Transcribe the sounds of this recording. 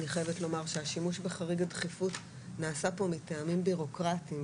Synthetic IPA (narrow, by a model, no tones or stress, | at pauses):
niχojevetlo̞maʁʃeaʃimuʃbeχaʁiɡadχifut | naːsapo̞miteamimbiʁo̞kʁatim